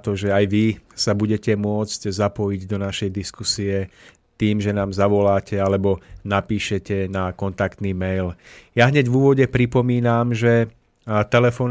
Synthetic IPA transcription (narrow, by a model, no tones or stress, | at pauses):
t̪ɔʒɛajʋisabuɟɛcɛmʊɔt͡sczapɔjiɟd̪ɔnaʃɛjd̪iskusiɛ | t̪iːmʒɛnaːmzaʋɔlaːcʰɛalɛbɔnapiːʃɛcɛnakɔnt̪akt̪nimɛjljaɦɲɛɟvuːʋɔɟɛpɾipɔmiːnamʒɛ | t̪ɛlɛfɔːn